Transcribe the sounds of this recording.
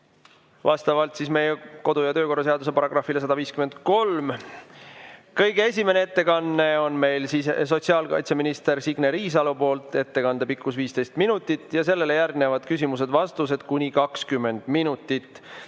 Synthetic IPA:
vɑst̪ɑvɑlt̪siːsme̞jeko̞d̪ujɑt̪øːko̞rːɑse̞ɑd̪use̞pɑɾɑɡ̥rɑfːilesɑd̪ɑviːskyme̞nd̪ko̞lm | kɤjɡees̬ʲime̞neet̪ːe̞kɑnːe̞o̞nme̞jlsises̬o̞t̪ʲsiɑːlkɑ̰jt̪seminist̪e̞rsiɡ̥neɾiːs̬ɑlupo̞ːlt̪ˑe̞t̪ːe̞kɑnd̪̥e̞pikːˑusviːst̪e̞jst̪minut̪ːˑit̪ːˑjɑse̞lːe̞le̞jærɡnevɑd̪̥kysimuse̞d̪vɑst̪us̬e̞d̪̥kunʲikɑkskymːe̞nd̪̥minut̪ːˑit̪ː

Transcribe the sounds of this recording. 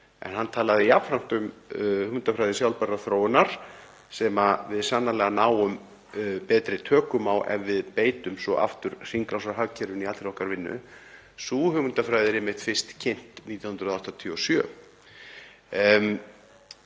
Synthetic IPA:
ɛ̰nɦanːt̪ʰaːlaðɪjapfɾam̥t̪ʏmhʏɣʏnt̪afɾajðɪsjawlpɛrːaθɾowɪnaɾ̥ | sɛmavɪðsanːalɛːɣanaːwʏm | pɛːt̪ɾɪt̪ʰœːkʏmawʔɛ̰nvɪðpeːjt̪ʏmsɔʔa̰ft̪ʏɾ̥r̥iŋkɾasaɦaɣcʰɛɾɪnialɾɔhkaɾvɪnːʏ̰ | suːhʏvʏnt̪afɾaːjðɪɾɪmɪt̪fɪr̥st̪cʰɪn̥t̪niːt̪janʏnɾaðaht̪at̪ʰiɔsjœː

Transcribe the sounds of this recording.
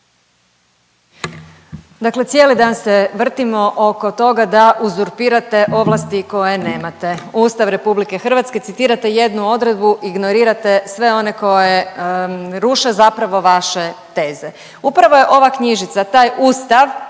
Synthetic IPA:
d̪akle̞t̪sje̞ːlid̪aːnseʋr̩t̪imo̞ʔoko̞t̪o̞ɡad̪aʔuzuɾpiːɾat̪e̞ʔo̞ʋlˠast̪iko̞jene̞ːmat̪e̞uːst̪aʋɾe̞publike̞xr̩ʋat̪ske̞t̪sit̪iːɾat̪e̞je̞d̪nuo̞d̪ɾe̞d̪̚buʔiɡnoɾiːɾat̪e̞sʋe̞o̞ne̞ko̞je | ɾuʃezapɾaʋo̞ʋaʃet̪e̞ːze | upɾaʋo̞je̞ʔo̞ʋakɲiʒit̪sat̪aːjuːst̪aʋ

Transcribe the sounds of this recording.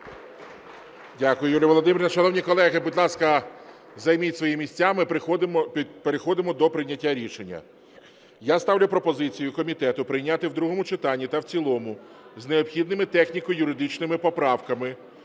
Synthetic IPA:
dʲakʊjʊjulʲɐʋɔlˠɔd̪ɪmʲiɾʲnɐʃɐnɔwnʲikɔlˠɛɦɪbudʲlˠɑskɐ | zɐjmitʲsʋɔjimʲisʲt͡sʲamɪ | peɾexɔd̪ɪmɔd̪ɔpɾɪjnʲːɐtʲːaɾʲiʃenʲːɐ̰ | jast̪ɑwlʲʊpɾɔpɔzɪt͡sʲijʊkɔmʲit̪ɛt̪ʊpɾɪjnʲat̪ɪwd̪ɾuɦɔmʊt͡ʃɪt̪ɑnʲːit̪ɐwt͡sʲilˠɔmʊ | zneɔpxʲid̪nɪmɪt̪ɛxnʲikɔjʊɾɪd̪ɪt͡ʃnɪmɪpɔpɾɑwkɐmɪ

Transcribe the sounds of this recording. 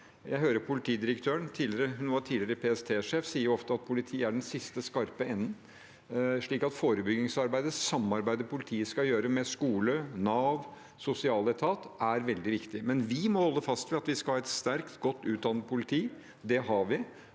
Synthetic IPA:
jæɪɦøːɾəpʰʊlɪt̪ʰiːd̪ɪɾəkt̪ʰøːəɳt̪ʰiːlɪɾəɦʉnʋɑʈʰiːlɪɾəpʰeːɛst̪ʰeːʂeːfsiːəɾɔft̪əɑt̪̚pʰʊlɪt̪ʰiːəæɖɛnsɪst̪əskɑɾpəɛnːən̩ | ʂɭiːkɑt̪foːɾəbʏɡɪŋsɑɾbæɪd̪əsɑmːɑɾbæɪd̪əpʰʊlɪt̪ʰiːəskɑjøːɾəmɛskuːlənɑːʋ | sʊsɪɑːlɛt̪ʰɑːt̪æɾʋɛld̪ɪʋɪkt̪ɪmɛnʋɪmɔhɔlːəfɑst̪ʋɛɑt̪ʋɪskɑhɑːɛt̪st̪æɾkt̪ɡɔt̪ːʉːt̪̚d̪ɑnːəd̪pʰʊlɪt̪ʰiː | d̪ɛɦɑɾʋɪ

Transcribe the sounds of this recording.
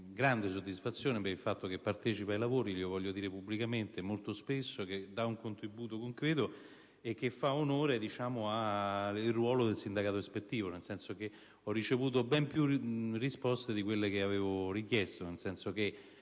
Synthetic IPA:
ɡɾand̪es̬od̪ːisfat̪sːjoːnepeɾilfat̪ːokepːart̪ɛt͡ʃipajlavoːɾiliovɔʎːjːod̪iːɾepublikament̪emolt̪ospesːoked̪ːauŋkont̪ɾibuːt̪okoŋkɾɛːt̪o | ek̟ːefːaonoːɾed̪it͡ʃaːmoairwɔːlod̪elsind̪akaːt̪oɾespet̪ːiːvonelsɛnsok̟e | ɔrːit͡ʃevuːt̪̬obɛmpjurːispɔst̪ed̪ikwelːek̟eaveːvorik̟jeɛst̪onelsɛnsok̟e

